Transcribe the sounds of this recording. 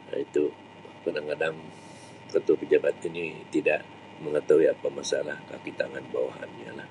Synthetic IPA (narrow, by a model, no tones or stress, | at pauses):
a̰it̪u | kadaŋkadaŋ | kət̪uapəd͡ʒabat̪init̪idaʔ | məŋət̪awiapamasalahka̰kit̪aŋanba̰wa̰ɦa̰nɲa̰lah